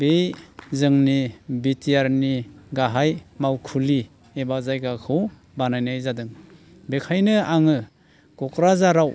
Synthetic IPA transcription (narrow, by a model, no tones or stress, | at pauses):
bejzɯŋnibitijaɾniɡaɦajmawkʰuli | ebazajɡakʰɯw | banajnajzadɯŋ | bekʰajnɯaŋɯ | kɔkɾazaɾaw